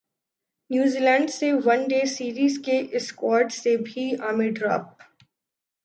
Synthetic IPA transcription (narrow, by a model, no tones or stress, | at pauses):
njuːziːlɛ̃ːɳɖseʋɐ̃nɖeːsiːɾiːzkeʔɪskwɔːɾɖsebʱiaːmeɖɾa̰ːp̚